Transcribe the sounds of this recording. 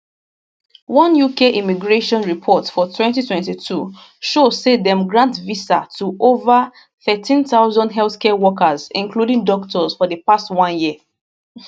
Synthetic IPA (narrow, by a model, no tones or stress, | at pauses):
wɔ̃njukeʔimiɡɹeʃɔ̃nɹipʰɔtfɔtʰwɛ̃ntitʰwɛ̃ntitʰu | ʃoz̥sedɛ̃mɡɹãntvisa̰tʰuʔovə | θɛtĩnθaʊzɔ̃ndɦɛlθkʰɛwɔkəzĩnkludĩŋdɔktɔz̥fɔðəpastwɔ̃njiə